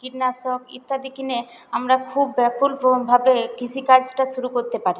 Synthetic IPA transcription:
kiɾnasokḭt̪ːad̪ikine | amɾakʰubːɛpʰulbʱabekit͡ɕʰikaɾd͡ʑʈaʃuɾukoɾt̪epaɾi

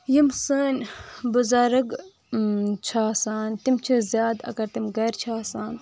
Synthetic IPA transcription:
jimsəːnʲbuzaːɾɐɡ | t͡ʃʰaːsaːnt̪imt͡ʃʰizʲjaːd̪ɐ̰kɐɾt̪imɡɐːɾt͡ʃʰaːsaːn

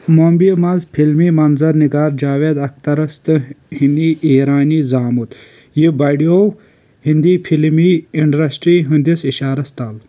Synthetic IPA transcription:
mombimɐzpʰilmiːmɐnzɐɾniɡaːɾd͡ʒaːʋeːd̪ɐk̚t̪ɐɾɐst̪ɨhind̪iːiːɾaːniːzaːmut̪ | jibɐɖijo | hind̪iːpʰilmiiɳɖɾɐsʈɾiːɦĩnd̪isiʃaːɾɐst̪aːl

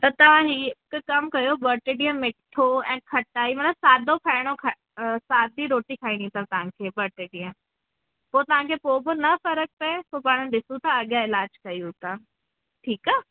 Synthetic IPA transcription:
t̪ɐt̪ɐʋ̤ãɦikkɐmkɐjobəɾʈeːɖiə̃mːɪʈʰoɛ̃ːkʰɐʈaːimɐt̪ləbsaːd̪ʱopʰaːɪɽ̃okʰ | saːd̪iɾoːʈikʰaːĩnĩt̪at̪ɐʋ̤ãkʰeːbɐɾʈeːɖiə̃ | poːt̪ɐʋ̤ãkʰepoːbɪnɐfɐɾək̚pepoːpaːɽ̃əɗɪsũt̪ɐɐɠjaɪlaːd͡ʒkɐjut̪a | ʈʰiːka

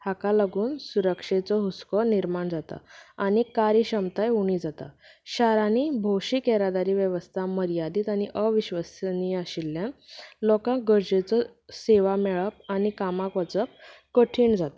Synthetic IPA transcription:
hakalaɡuːnsuɾəkʂet͡sɔɦuskɔniɾmaɳd͡zat̪a̰añikaɾiɕəmt̪ajuɳ̃id͡zat̪a̰ɕaɾanibʱoɕikɛɾad̪aɾiːʋjəʋəst̪ʰaməɾijad̪iːt̪añiʔəʋiɕʋasniəɕilːjanlɔkãɡəɾd͡ʑet͡sɔ | seʋamɛɭəp̚anikamakʋət͡səp̚ | kəʈʰiːɳd͡zat̪ḁ

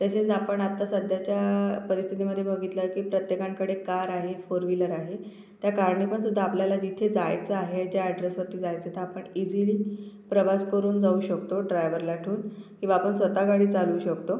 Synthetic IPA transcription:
t̪jaset͡sapəɳat̪ːasəd̪ʱjat͡ɕjapəɾist̪ʰit̪iməd̪ʱjebəɡʱit̪ləɾkiːpɾət̪jekãŋkəɽekaɾaɦefoɾʋiləɾaɦe | t̪jakaɾɳipəɳsud̪ʱːaːpljalad͡ʑit̪ʰed͡zajt͡səaɦead͡ʑaːɖɾəsʋəɾt̪iːd͡zajt͡sət̪ʰeapəɳid͡ʑiliːpɾəʋaskəɾuːnd͡zauɕəkt̪oɖɾajʋəɾlaʈʰuːnkĩʋaːpəɳsʋət̪aɡaɽiːt͡saluːɕəkt̪o

